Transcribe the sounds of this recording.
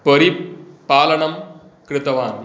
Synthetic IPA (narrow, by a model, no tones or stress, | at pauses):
pɐɾipaːlɐɳɐm | kɾɪt̪ɐʋaːn